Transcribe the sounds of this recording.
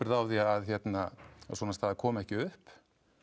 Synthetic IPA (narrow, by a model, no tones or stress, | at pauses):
ɪɾðawðiaaðçjɛt̪naaðsɔːnast̪aðakʰɔːmɛhcɪʏhp